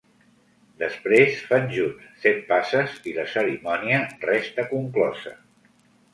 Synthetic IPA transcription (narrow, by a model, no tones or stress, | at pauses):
d̪əspɾesfanʲʒunssɛt̪̚pasəziləsəɾimɔniərɛst̪əkuŋklɔzə̰